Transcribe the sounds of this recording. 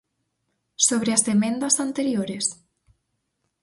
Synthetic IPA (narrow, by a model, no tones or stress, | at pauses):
soβɾeazðemẽnd̪ɐzant̪eɾjoɾes